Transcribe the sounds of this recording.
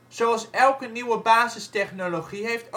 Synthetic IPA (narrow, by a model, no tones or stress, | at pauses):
z̥oɑlˠsɛlˠkəniwəbaːzəstɛχnoloχiɦejft